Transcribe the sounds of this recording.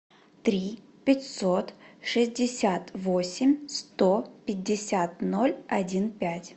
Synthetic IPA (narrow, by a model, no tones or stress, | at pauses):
t̪ɾʲi | pʲɪtʲso̞t̪ʂɨzʲdʲɪsʲat̪vosʲɪmʲst̪opʲɪdʲːɪsʲat̪no̞lʲɐdʲinpʲætʲ